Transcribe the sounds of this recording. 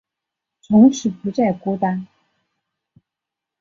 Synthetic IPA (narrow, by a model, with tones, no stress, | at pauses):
t͡sʰʊ˧˥ŋʈ͡ʂʰɻ̩˨˥pu˧˥t͡sa˥˩ɪkɔ˥t̪a˥n